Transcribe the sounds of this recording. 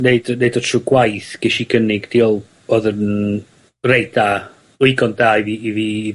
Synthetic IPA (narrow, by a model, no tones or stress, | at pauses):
neɨdneɨdɔtʰruɡwajθɡ̥ɛʃiɡənɪɡd̥iːɔlˠ | b̥oðən | rejda | ʊɨɡɔnd̥aːiviːvi